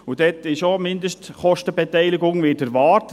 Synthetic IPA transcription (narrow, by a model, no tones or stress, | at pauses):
ud̥ɛtɪʃomɪndəʃtχɔʃtəbɛtɛɪlɪɡʊŋʋɪːtəɾʋɑːɾt